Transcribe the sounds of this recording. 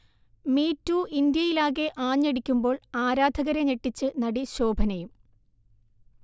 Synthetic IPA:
miːtːuːʔind̪jɐjilaːɣe̞ʔaːɲːeɽikʲːumbo̞ːɭaːɾaːd̪ʱɐɣɐɾeneʈːit͡ɕːɨnɐɽiɕo̞ːbʱɐnɐjum

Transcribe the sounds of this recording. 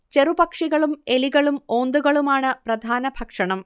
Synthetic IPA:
t͡ɕe̞rubɐkʂiɣɐɭume̞liɣɐɭumo̞ːnd̪uɣɐɭumaːɳɨprɐd̪ʱaːnɐbʱɐkʂɐɳɐm

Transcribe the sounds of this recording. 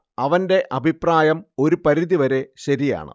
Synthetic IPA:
ɐʋɐnde̞ʔɐbʱipraːjɐmo̞ɾupɐɾiðiʋɐɾe̞ɕɐɾija̰ːɳɨ̰

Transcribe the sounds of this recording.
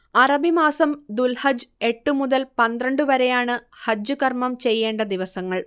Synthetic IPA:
ɐrɐbimaːsɐmd̪ulhɐd͡ʑe̞ʈːɨmuðɐlpɐnd̪rɐɳɖɨʋɐɾejaːɳɨhɐd͡ʑːuɣɐrmɐmt͡ɕe̞jːe̞ːɳɖɐd̪iʋɐsɐŋːɐɭ

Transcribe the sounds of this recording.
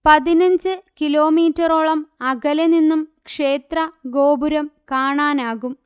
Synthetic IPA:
pɐðinɐɲd͡ʑɨkilo̞ːmiːtːɐroːɭɐmɐɣɐleninːumkʂe̞ːt̪rɐɡo̞ːbuɾɐmkaːɳaːnaːɣum

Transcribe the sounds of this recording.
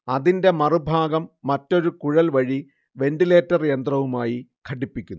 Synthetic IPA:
ɐðinde̞mɐrɨbʱaːɡɐmːɐtːo̞ɾukuɻɐlʋɐɻi | ʋe̞ndile̞ːtːɐrjend̪rɐʋumaːjikʰɐʈːipːikʲːunː

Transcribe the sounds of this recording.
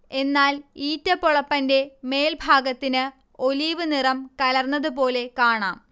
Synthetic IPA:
e̞nːaːliːtːɐpːoɭɐpːɐnde̞me̞ːlbʱaːɡɐt̪ːinɨ | o̞liːʋɨnirɐmkɐlɐrnːɐðupo̞ːle̞kaːɳa̰ːm

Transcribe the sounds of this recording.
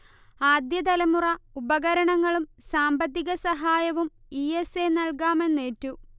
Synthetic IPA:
aːd̪jɐd̪ɐlɐmurɐubɐɣɐɾɐɳɐŋːɐɭumsaːmbɐt̪̬ːiɣɐsɐɦaːjɐʋum | iesenɐɭkaːme̞nːe̞ːtːu

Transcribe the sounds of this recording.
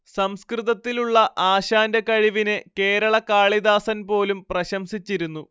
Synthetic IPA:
sɐmskrɨðɐt̪ːiluɭːɐʔaːɕaːndɐkɐɻiʋinɨke̞ːɾɐɭɐkaːɭid̪aːsɐnpo̞ːlumprɐɕɐmsit͡ɕːiɾunːu

